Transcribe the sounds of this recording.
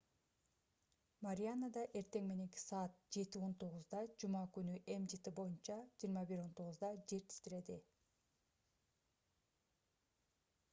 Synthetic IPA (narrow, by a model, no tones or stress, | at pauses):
maɾʲijanad̪ɑʔe̞ɾt̪e̞ŋme̞ne̞ŋki̥sɑːt̪̚d͡ʒe̞t̪io̞nt̪ʰo̞ʁʊzd̪ɑd͡ʒumɑkynyʔe̞md͡ʒit̪ibo̞junt͡ʃɑd͡ʒijːɾmɑbiɾo̞nt̪ʰo̞ʁʊzd̪ɑd͡ʒe̞ɾt̪ʰi̥st̪iɾe̞d̪i